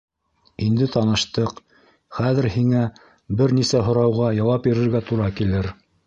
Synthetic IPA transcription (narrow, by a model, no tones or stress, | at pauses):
ind̪ɘt̪ɑnɤ̆ʃt̪ɤq | χæðɘ̆ɾhiŋæ | bɘɾnisæɦŏɾɑwʁɑjɑwɑpiɾɘ̆ɾɡæt̪uɾɑkilɘɾ